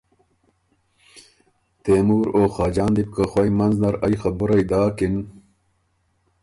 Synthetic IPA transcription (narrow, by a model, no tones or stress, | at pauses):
t̪eːmuːɾoːxaːd͡ʑaːnd̪ip̚kaxwɐjmɐnznɐɾajxɐbuɾɐjd̪aːkin